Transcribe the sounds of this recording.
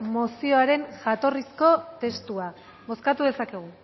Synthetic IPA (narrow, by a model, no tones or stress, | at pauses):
mosio̞aɾe̞nʝat̪o̞risko̞t̪e̞st̪ua | βo̞skat̪uð̞e̞sake̞ɣ̞u